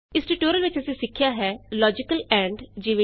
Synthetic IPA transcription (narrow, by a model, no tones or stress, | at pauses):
ɪsʈɪʈoːɾəlʋɪt͡ʃəsẽsɪkʰːjaːɦɛːlɔːd͡ʒɪkəlɛ̃ːɳɖd͡ʒiʋe